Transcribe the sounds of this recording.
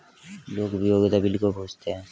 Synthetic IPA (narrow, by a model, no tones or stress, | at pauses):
lokbioɡit̪abilkobʱust̪ʰe